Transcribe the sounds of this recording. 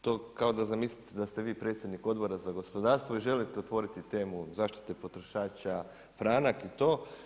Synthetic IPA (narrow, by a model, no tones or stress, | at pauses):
t̪oːkao̞d̪azamislit̪ed̪ast̪eʋiːpɾe̞t̪sʲjed̪niko̞d̪bo̞ɾazaɡo̞spo̞d̪aːɾst̪ʋoiʒe̞lit̪eot̪ʋo̞ɾit̪it̪e̞ːmuzaːʃt̪i̥t̪e̞po̞t̪ɾo̞ʃaːt͡ʃa | fɾaːnakit̪o̞ː